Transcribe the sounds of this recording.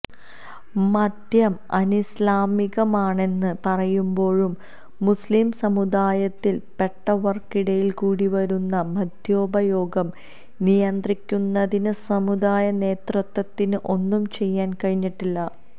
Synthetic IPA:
mɐd̪jɐmɐnislaːmiɣɐmaːɳe̞nːɨpɐrɐjumbo̞ːɻumː | usliːmsɐmud̪aːjɐt̪ːilpe̞ʈːɐʋɐrkiɽɐjilkuːɽiʋɐɾunːɐmɐd̪ʱjo̞ːbɐjo̞ːɡɐm | nijɐnd̪rikʲːunːɐðinɨsɐmud̪aːjɐne̞ːt̪rɨt̪ːwɐt̪ːinɨʔo̞nːumt͡ɕe̞jːaːnkɐɻiɲːiʈːilːɐ

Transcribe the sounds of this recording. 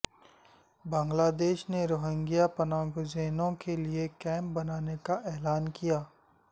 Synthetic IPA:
bãːŋɡlaːd̪eːʃneɾoːɦɪ̃ŋɡijapɐnaːɡod͡ʒeːnõkeliekɛːmbɐnaːnekaʔɛːlaːnkijaː

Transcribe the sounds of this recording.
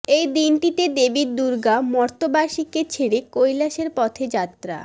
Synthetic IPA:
ejd̪inʈit̪ed̪ebiɾd̪uɾɡamɔɾt̪obaʃiket͡ɕʰeɽekojlaʃeɾpɔt̪ʰed͡ʑat̪ːɾa̰

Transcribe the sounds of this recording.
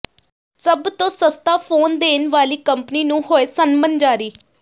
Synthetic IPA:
səbt̪õːsəst̪aːpʰoːnd̪eːnʋaːliːkəmpniːnũːɦoːeːsənmənd͡ʒaːɾiː

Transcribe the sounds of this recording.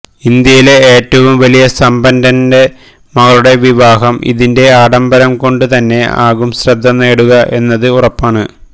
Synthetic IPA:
ind̪jɐjile̞eːtːɐʋumʋɐlijɐsɐmbɐndɐnde̞ | mɐɣɐɭuɽe̞ʋiʋaːɦɐmḭðinde̞aːɽɐmbɐɾɐmko̞ɳɖɨt̪ɐnːe̞a̰ːɣumsrɐd̪ʱːɐnːeːɽuɣɐʔe̞nːɐðɨurɐpːaːɳɨ

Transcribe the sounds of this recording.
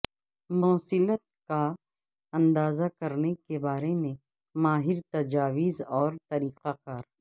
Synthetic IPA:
mɔːsɪlət̪̚ka | ɐ̃nd̪aːzakɐɾnekebaːɾemẽ | maːɦɪɾt̪ɐd͡ʒaːʋɪzɔːɾt̪ɐɾiːqakaːɾ

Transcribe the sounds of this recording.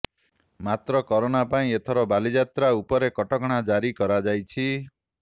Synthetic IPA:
mat̪ɾɔkɔɾoɽ̃apaĩet̪ʰɔɾɔbalid͡ʒat̪ɾaupɔɾekɔʈɔkɔɽ̃ad͡ʒaɾikɔɾad͡ʒajt͡ʃʰi

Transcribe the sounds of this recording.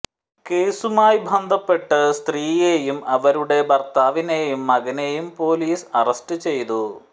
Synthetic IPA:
ke̞ːsumaːjbʱɐnd̪ʱɐpːe̞ʈːɨst̪riːjeːjumɐʋɐɾuɽe̞bɐrt̪aːʋine̞jumːɐɣɐne̞jumpo̞ːliːsɐrɐstɨt͡ɕe̞jt̪u

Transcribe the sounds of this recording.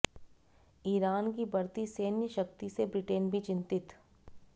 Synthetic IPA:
iːɾaːnkibɐɾt̪iseːnjəʃɐkt̪isebɾɪʈeːnbʱit͡ʃɪ̃nt̪ɪt̪

